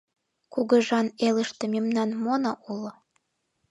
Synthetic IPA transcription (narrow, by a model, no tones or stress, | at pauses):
kuɣə̆ʒɑnelə̆ʃt̪ĕmimnɑnmonɑʔulo